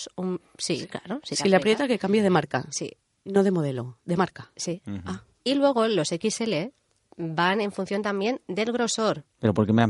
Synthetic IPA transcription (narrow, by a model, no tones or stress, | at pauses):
sum | sḭkla̰ɾosisileapɾjet̪akekambjað̞e̞maɾka̰sḭ | no̞ðemo̞ð̞e̞lo̞ðemaɾkasia | ilwe̞ɣ̞o̞lo̞se̞kise̞le | bane̞ɱfunθjont̪ambje̞nd̪e̞lɣɾo̞so̞ɾpeɾopoɾkemea